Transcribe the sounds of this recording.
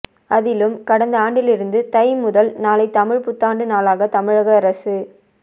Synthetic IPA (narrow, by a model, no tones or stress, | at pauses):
ɐðɪlɯmkɐɽɐnd̪ɐaːɳɖɪlɪɾɯnd̪ɯt̪ɐɪmʊðɐlnaːlɐɪt̪ɐmɪɻpʊt̪ːaːɳɖɯnaːlaːɣɐt̪ɐmɪɻɐɣɐɐɾɐsɯ